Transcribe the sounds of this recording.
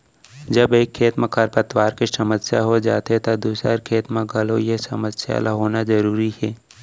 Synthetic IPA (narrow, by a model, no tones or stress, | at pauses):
d͡ʒəbeːkʰːeːt̪mə̃kʰəɾpət̪waːɾkisɐməsjaɦod͡ʒa̰ːt̪et̪ad̪uːsɾəɾkʰeːt̪mə̃ɡʱɐlojesɐməsja̰ːlaɦoːnazɐɾuːɾiɦɛː